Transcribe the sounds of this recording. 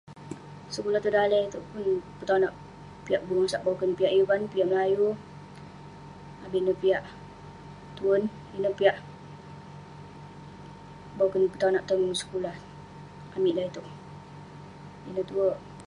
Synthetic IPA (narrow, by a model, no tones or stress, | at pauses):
səkulaht̪udaləit̪uʔpunpət̪anaʔ | piaʔbuŋasaʔbawkənpiaʔjuvanpiaʔməlaju | abinəpiaʔ | t̪uən | inəpiaʔ | bawkənpət̪anaʔt̪unŋsə̥kulah | amiʔlait̪uʔ | inət̪uəʔ